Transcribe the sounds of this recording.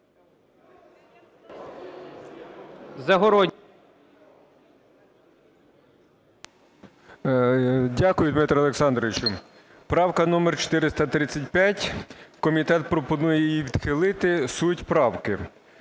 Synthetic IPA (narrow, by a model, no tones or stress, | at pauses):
zɐɦɔɾɔ | dʲakʊjʊd̪mɪt̪ɾɐlˠeksɑnd̪ɾɔʋʲɪt͡ʃʊ | pɾɑwkɐnɔmɛrt͡ʃo̥t̪ɪɾɪst̪ɐt̪ɾɪt͡sʲːɐtʲpʲjatʲkɔmʲit̪ɛt̪̚pɾɔpɔnujɛjiʋʲid̪̥xɪlˠɪt̪ɪsutʲpɾɑwkɪ